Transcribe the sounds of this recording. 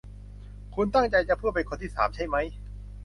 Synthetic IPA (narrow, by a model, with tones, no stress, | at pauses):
kʰu˧nt̪a˥˩ŋt͡ɕa˧jt͡ɕa˨˩pʰɯ˥˩əpe˧nkʰo˧nt̪ʰiː˥˩saː˩˦mt͡ɕʰa˥˩jma˦˥j